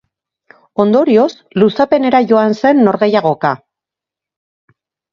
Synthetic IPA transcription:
o̞nd̪o̞ɾio̞s | lusape̞ne̞ɾaʝo̞anse̞nːo̞ɾɣe̞jaɣ̞o̞ka

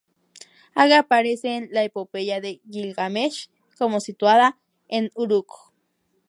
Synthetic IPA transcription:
aɣapaɾesenlaepopejaðejilɡameʃ | komosit̪waða | enuɾuko̥

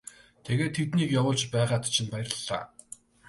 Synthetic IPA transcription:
t̪ʰeɣeːt̪ʰːet̪niːkjawʊːɮt͡ɕpæːʁaːt̪t͡ɕʰĭmpajɪrə̆ɮ̥a̰ː

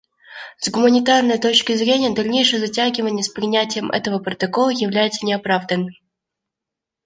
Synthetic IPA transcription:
zɡʊmənʲɪt̪arnəjət̪o̞t͡ɕkʲɪzɾʲenʲɪjəd̪ɐlʲnʲejʂɨjəzɐtʲæɡʲɪvənʲɪjəspɾʲɪnʲætʲɪjəmʔɛ̰t̪əvəpɾət̪ɐko̞lˠəjɪvlʲæjɪt̪sənʲɪɐpɾavd̪ənːɨm

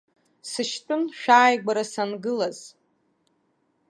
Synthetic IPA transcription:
sɨʃtʼʊnʃᶣaːjɡʷaɾasanɡɨlaz̥

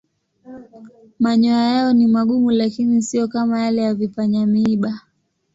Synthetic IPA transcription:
maɲɔajaɔnimaɠumulakinisijɔkamajalɛjavifaɲamiːɓa

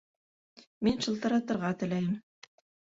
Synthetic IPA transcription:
minʃɤ̆lˠt̪ɤ̆ɾɑt̪ɤ̆ɾʁɑt̪ɘ̆læjɘm

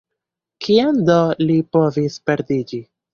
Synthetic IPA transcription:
kʰiand̪olipo̞vispeɾd̪id͡ʒi

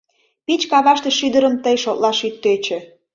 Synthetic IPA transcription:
pit͡ɕkɑβɑʃt̪ĕʃyd̪əɾəmt̪əjʃot̪lɑʃyt̪ːøt͡ɕø̆

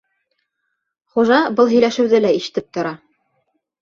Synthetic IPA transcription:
χuʒɑbɤlˠɦɵ̆jlæʃɘ̆wðɘlæiʃɘ̥̆t̪ɘp̚t̪ŏɾɑ

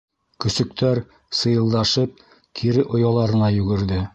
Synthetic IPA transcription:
kɵ̆sɵ̆k̚t̪æɾ | sɤ̆jɤ̆lˠd̪ɑʃɤp̚ | kʰiɾɘʔŏjɑlˠɑɾɤ̆nɑjʉɡɘ̆ɾðɘ

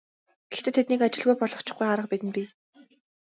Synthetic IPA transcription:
ɡ̥ext̪ʰɘ̆t̪ʰːet̪nikat͡ɕɪ̆ɮɣujpɔɮɞ̆χt͡ɕɪ̥̆χɡujaɾə̆q̚pit̪ɘ̆npʲiː

